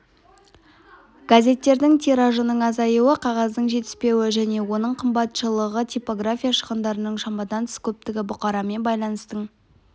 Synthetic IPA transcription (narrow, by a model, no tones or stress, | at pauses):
ɡ̥azʲe̞t̪ːe̞ɾd̪ɪŋt̪ʰeɾaʒənəɴɑzɑjuwəqʰɑʁɑzd̪əɴʒe̞t̪ɪ̥spe̞wɪʒæne̞wo̞nəɴqʰəmbɑt̪ʃəlˠəʁət̪ʰʲijpo̞ɡrafʲijaʃə̥ʁənd̪ɑɾənəɴʃɑmbɑd̪ɑnʰɪ̥skʲʰɵp̚t̪ɪɡʲɪbʊqɑɾɑme̞nbɑjlˠɑnəst̪əɴ